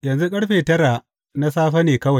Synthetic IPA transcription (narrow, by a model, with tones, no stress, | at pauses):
jɐ˨nzu˦kʼɐ˦ɽɸeː˨tɐ˦ɾa˨ | na˦saː˦ɸɐ˦neː˨kɐ˦wa˨